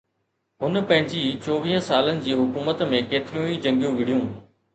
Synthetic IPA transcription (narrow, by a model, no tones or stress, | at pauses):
ɦʊnpɐ̃ɦɪ̃ɲd͡ʑiːt͡ɕoːʋiːɦə̃saːlənɪ̆d͡ʑiːɦʊkuːmət̪mẽkeːt̪ɪɾijũːid͡ʑɐ̃ŋɡijũʋɪɽijũː